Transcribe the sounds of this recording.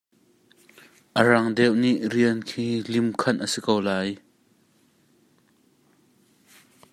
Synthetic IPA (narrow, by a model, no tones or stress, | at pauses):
ʔərɐŋdɛwʔniʔriənkʰiːlimkʰɐnʔəsikowlaːj